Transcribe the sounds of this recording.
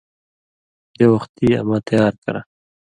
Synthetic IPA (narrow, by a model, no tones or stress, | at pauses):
d̪ewaxt̪ia̰mɑːt̪ajɑːɾkɐ̰ɾa̰